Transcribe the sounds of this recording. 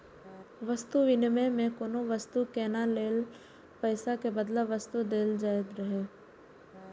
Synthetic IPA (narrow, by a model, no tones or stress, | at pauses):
ʋəst̪uʋɪnmẽmẽkoːnoʋəst̪ukɛːnaleːl | pəːsakebəd̪laʋəst̪ud̪eːld͡ʒaːɪd̪ɾəɦeː